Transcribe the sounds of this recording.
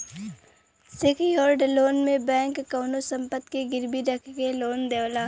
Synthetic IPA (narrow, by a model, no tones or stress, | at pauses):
sekʰjɔːɾɖloːnmẽbɛ̃ːŋkːaːnosə̃mpət̪keɡɪɾbiɾəkʰkeloːnd̪eːwlaː